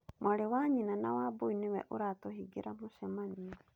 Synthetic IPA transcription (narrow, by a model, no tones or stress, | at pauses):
mwaɾewaɲinanawaboinewɛ̰ʔoɾatohiɡeɾamoʃɛmania